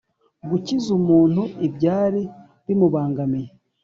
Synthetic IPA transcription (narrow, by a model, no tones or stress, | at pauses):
ɡucizumuːn̥huibɟaːɾi | bimuβaːŋɡamije